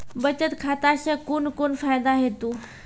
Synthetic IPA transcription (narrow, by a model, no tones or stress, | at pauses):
bət͡ɕət̪kʰat̪aɕəkunkonfajd̪aɦet̪uː